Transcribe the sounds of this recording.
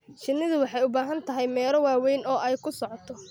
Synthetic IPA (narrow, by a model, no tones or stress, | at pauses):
t͡ʃɪnːɪðʊwɑħɑjʊbaːɦɐnt̪ʰɐɦɛjmɛːlɔwaːwɛjnɔːʔɛjkʰʊsɔʕɔt̪ʰɔ